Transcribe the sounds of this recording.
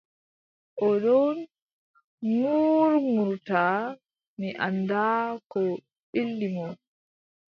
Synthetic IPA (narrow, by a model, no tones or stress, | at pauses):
ʔɔɗɔn | nuɾmuɾtaː | miʔa̰ndaːkɔ | ɓilːimɔn